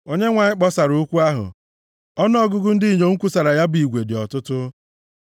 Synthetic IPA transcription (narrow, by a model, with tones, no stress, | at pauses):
o˦ɲe˦ŋʷa˨ɲɪ˦k͡pɔ˦sa˨ɾu˦u˦kʷu˦a˦ɦʊ̰˨ | ɔ˦n˦ɔ˦ɡʊ˦ɡʊ˦n̩˦di˦˨ɲo˨ŋ̩˦kʷu˦sa˨ɾa˨ja˦bi˨ɡʷe˨dɪ˨ɔ˨tʊ˦tʊ˦